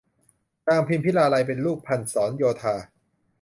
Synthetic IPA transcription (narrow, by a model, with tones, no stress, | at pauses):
naː˧mpʰi˧mpʰi˦˥laː˧la˧jpe˧nluː˥˩k̚pʰa˧nsɔː˩˦njoː˧t̪ʰaː˧